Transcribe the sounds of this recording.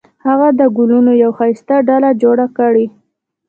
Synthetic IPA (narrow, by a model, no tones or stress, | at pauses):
haɣad̪əɡʊlunojawxajst̪aɖalad͡ʒoɽakəɽi